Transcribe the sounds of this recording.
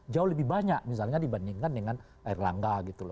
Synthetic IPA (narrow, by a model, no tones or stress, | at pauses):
d͡ʒaʊhləbɪhbaɲak̚mis̬alɲadibandiŋkandəŋan | aɪrla̰ŋɡaɡit̪ulɔ